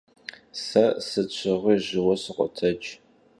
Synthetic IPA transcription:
sɐsɨt͡ɕʷʰɪʁʷiːʑɪwɐsɨqʷɔ̰tʰɐt͡ʃʼ

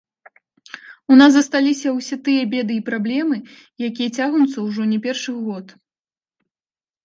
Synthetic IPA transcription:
unasɐst̪alʲisʲɐwsʲɛt̪ɨjɐbʲɛd̪ɨipɾablʲɛmɨjakʲijɐt͡sʲaɣnut̪sɐwʐɔnʲɛpʲɛrʂɨɣɔt̪

